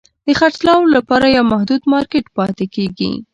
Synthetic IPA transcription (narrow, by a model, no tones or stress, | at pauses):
d̪əxaʈlɑwlapɑɾajawmahd̪ud̪mɑɾkeʈpɑt̪ekeɡḭ